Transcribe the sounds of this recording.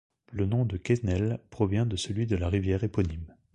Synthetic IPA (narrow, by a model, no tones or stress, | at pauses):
lənɔ̃d̪əkɛnɛlpχɔvjɛ̃d̪əsəlɥid̪əlaʁivjɛʁepɔnim